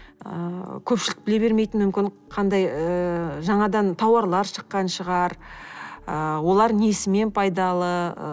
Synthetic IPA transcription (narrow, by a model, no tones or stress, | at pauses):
ə̰kʲʰɵpʃɪlɪk̚bɪle̞βe̞ɾme̞jt̪ɪnmːʏmkʲɪn | qʰɑnd̪ɑjəʒɑɴɑd̪ɑnt̪ʰɑwɑɾlˠɑɾʃə̥qːɑnʃəʁɑɾ | əwo̞lˠɑɾnesɪme̞npʰɑjd̪ɑlˠə